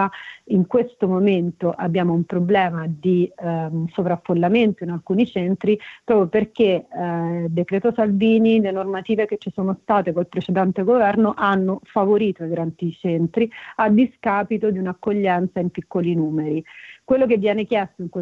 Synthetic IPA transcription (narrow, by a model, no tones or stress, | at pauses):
iŋkwest̪omoment̪oʔabjaːmoumpɾoblɛːmad̪i | sovɾafːolːament̪oinalkuːnit͡ʃɛnt̪ɾipɾɔːpɾjoperke | d̪ekɾɛːt̪osalviːnilenormat̪iːveket͡ʃːisoːnost̪aːt̪ekolpɾet͡ʃed̪ɛnt̪eɡovɛrnoʔanːofavoɾiːt̪oiɡɾant̪it͡ʃɛnt̪ɾiad̪iskaːpit̪od̪iunakːoʎːɛnt̪saimpikːolinuːmeɾikwelːokevːjɛːnek̟jɛst̪oiŋkwe